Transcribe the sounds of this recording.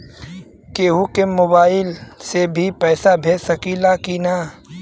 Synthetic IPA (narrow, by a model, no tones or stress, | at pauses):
keɦukemoːbaːɪlsebʱipɛːsabʱeːsɐkiːlakinaː